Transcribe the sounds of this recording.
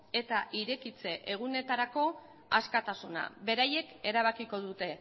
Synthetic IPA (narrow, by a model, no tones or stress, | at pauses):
e̞t̪aʔiɾe̞kit͡se̞ʔeɣ̞une̞t̪aɾako̞ | askat̪asuna̰βe̞ɾaje̞ke̞ɾaβ̞akiko̞ðut̪e̞